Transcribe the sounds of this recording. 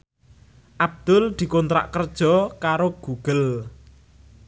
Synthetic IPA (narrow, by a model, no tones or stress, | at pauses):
ʔab̚d̪̥ʊld̪̥i̤kɔnt̪ɾa̰ʔkərd̥ʒ̥ɔ̤kaɾoɡ̥uɡ̥əl